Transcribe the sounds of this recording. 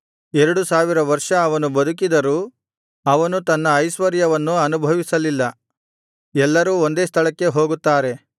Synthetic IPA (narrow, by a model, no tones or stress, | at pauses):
ɛɾɐɽusaːʋiɾɐʋɐɾʂɐːʋɐnubɐd̪uk̬id̪ɐɾuː | ɐʋɐnut̪ɐnːɐːjsʋɐɾjɐʋɐnːuɐnubʱɐʋisɐlilːɐ | ɛlːɐɾuːo̞nd̪e̞ːst̪ʰɐɭɐkːe̞ɦo̞ːɡut̪ːaːɾe̞